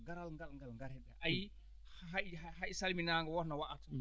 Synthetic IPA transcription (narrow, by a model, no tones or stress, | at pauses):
ɡaɾalŋɡalŋɡalŋɡaɾɛɗɛʔaji | ahajsalminaŋɡɔwɔɾnawaʔata